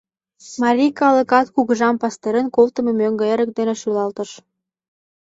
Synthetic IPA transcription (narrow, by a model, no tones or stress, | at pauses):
mɑɾʲikɑlə̆kɑt̪̚kuɣə̆ʒɑmpɑst̪eɾənkolt̪ə̆memøŋɡĕeɾə̆k̚d̪eneʃylɑlt̪ə̆ʃ